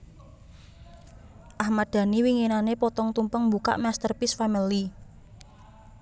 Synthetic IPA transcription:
ʔahmad̪̥ä̤niwiŋenanepɔt̪ɔŋt̪umpəŋmbuka̰ʔmɛst̪ərpisfamili

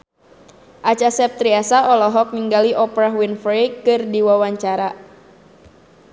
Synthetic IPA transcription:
ʔat͡ʃasɛp̚t̪ɾiasaɔlɔɦɔk̚niŋɡaliʔɔpɾawinfɾekɨrdiwawaɲt͡ʃaɾa

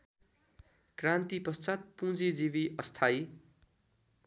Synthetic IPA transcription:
krãnt̪ipʌst͡sat̪̚pũd͡zid͡ziβiʔʌst̪ʰaj

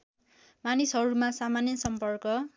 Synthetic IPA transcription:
manisɦʌɾumasamanjʌsʌmpʌrkʌ

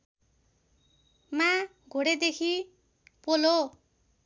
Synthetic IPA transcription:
ma | ɡʱoɽed̪ekʰi | polo

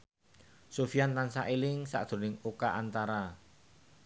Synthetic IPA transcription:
sofiant̪ansaʔilɪŋsa̰ʔd̪̥o̤nɪŋukaʔant̪aɾa

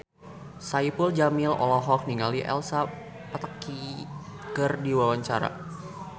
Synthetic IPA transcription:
saipuld͡ʒamilɔ̰lɔɦɔk̚niŋaliʔɛ̰lsa | pət̪aki | kɨrdiwawaɲt͡ʃaɾa̰

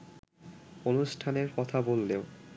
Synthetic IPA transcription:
onuʃʈʰaneɾkɔt̪ʰabolːeo

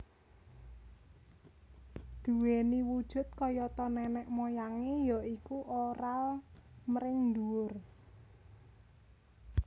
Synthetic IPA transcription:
d̪̥uweniwud̥ʒ̥ʊ̤t̪̚kɔjɔt̪ɔnɛnɛʔmojaŋejɔʔikuʔoɾalməɾɪŋd̪uʊr

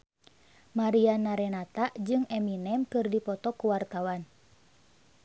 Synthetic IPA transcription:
maɾianaɾɛnat̪aʔd͡ʒɨŋɛminɛmkɨrdipɔt̪ɔkuwart̪awan

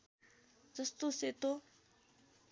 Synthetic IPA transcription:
d͡zʌst̪oset̪o

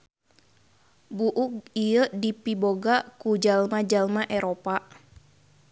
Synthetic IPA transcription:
buʔuk̚iədipiboɡakud͡ʒalmad͡ʒalmaʔɛɾopa

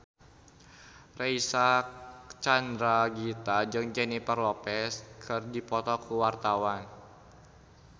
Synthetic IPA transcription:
reisa | t͡ʃandɾaɡit̪ad͡ʒɨŋd͡ʒɛnipərlɔpɛskʰərdipɔt̪ɔkuwart̪awan

